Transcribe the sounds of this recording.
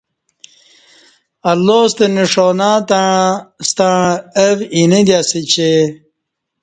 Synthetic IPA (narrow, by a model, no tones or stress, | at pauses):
ɐlːoːst̪eniʂonaːt̪ast̪aɻəvinid̪jasit͡ɕe